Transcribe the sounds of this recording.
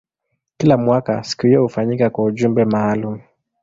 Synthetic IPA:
kilamwaka̰si̥kuhijɔhufaɲikakwauʄumbɛmaːlum̩

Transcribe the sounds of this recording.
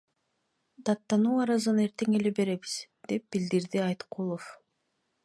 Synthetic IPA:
d̪ɑt̪ːɑnuːɑɾɑzɯne̞ɾt̪e̞ŋe̞le̞be̞ɾe̞βiz̥ | d̪̥e̞p̚b̥ild̪iɾd̪iɑjt̪qulˠof

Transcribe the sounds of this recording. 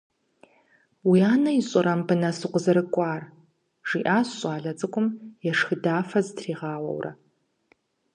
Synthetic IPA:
wiaːnɐjɪɕʼɪɾɐmbɨnɐsɨqʷʊzɐɾɨkʷʼɑːr | ʐ̥iːʔaːsɕʷʼɑːɮɐt͡sʼɨkʷʼʊmjɛʂxɨdaːfɐzɨtʰriːʁɑːwɐ̰wrɐ̰

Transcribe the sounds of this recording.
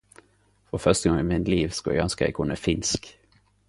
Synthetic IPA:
fɔfœʁst̪əɡɔŋɪːmɪnliːʋskʉɛ̰ɡɑnskəæ̰ɪkʰʊnəfɪnsk

